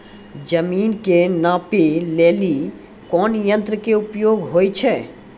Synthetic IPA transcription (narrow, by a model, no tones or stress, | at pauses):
d͡ʒəmiːnkenãːpeleːli | kɔːnjə̃nt̪ɾəkeʊpjoːɡɦoːjt͡ʃʰɛː